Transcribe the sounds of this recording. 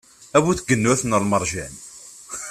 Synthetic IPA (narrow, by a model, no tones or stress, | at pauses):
æwuθɡːənːuæθnəlməɾˤʒæn